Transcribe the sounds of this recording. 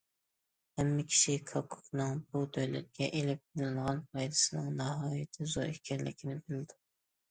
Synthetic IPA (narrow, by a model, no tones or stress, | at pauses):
hæmːɪkʲʰi̥ʃikʰɑkʰːʊ̥qnɨŋbud̪øjlɛt̪̚kʲɛʔelɪp̚bɪlɪnʁɑnpʰɑjd̪ɪ̥sɪnɪŋnɑɦɑːjɪt̪ʰɪzoikʲʰɛɾlɪ̰kʲʰɪnɪbɪld̪ɪ